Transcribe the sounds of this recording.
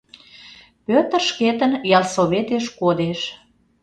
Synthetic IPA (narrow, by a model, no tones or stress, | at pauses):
pøt̪ərʃket̪ənjɑlsoβet̪eʃkod̪eʃ